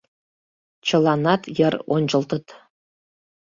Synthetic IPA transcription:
t͡ɕɤ̆lˠɑnɑt̪jɤ̆ronʲd͡ʑɤ̆lˠt̪ɤ̆t̪

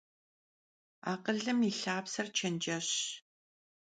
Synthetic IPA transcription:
a̰ːqəɮɨmiːɬaːpsɐrt͡ʃʰɐnd͡ʒɐɕ

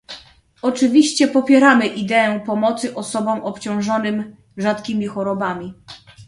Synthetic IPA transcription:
ɔt͡ʂɘvʲiɕt͡ɕɛpɔpʲjɛɾamɘʔid̪ɛɛ̃pɔmɔt̪sɘʔɔsɔbɔ̃w̃ʔɔpt͡ɕɔ̃w̃ʐɔnɘm | ʐat̪kʲimʲixɔɾɔbamʲi

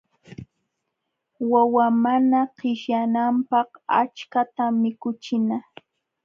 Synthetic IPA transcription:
wawamanaqɪʃjanampɑqa̰t͡ʃkat̪amɪkʊt͡ʃɪna

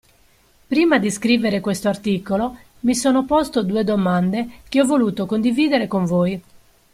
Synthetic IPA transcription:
pɾiːmad̪iskɾiːveɾekwest̪oart̪iːkolo | misɔːnopɔst̪od̪uːed̪omand̪ek̟eɔvːoluːt̪okond̪iviːd̪eɾekoɱvoːj

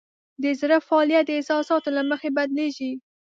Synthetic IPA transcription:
d̪əzɾafɑːlijat̪̚d̪əɪsɑsɑt̪olaməxebad̪leʒi

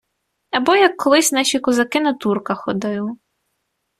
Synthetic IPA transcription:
ɐbɔjɐkʰːɔlˠɪsʲnɑʃʲikɔzɐkɪnɐt̪urkɐxɔd̪ɪju

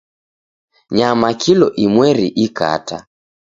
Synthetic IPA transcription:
ɲamakilɔʔimwɛɾiʔika̰ta

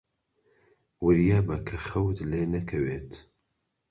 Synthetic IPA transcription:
wɨɾjaːbɐkʰɐχɐwt̪leːnɐkʰɐweːt̪ʰ

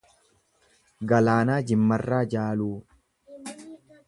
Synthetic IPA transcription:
ɡɐlaːnaːd͡ʒɪmːɐrːaːd͡ʒaːluː

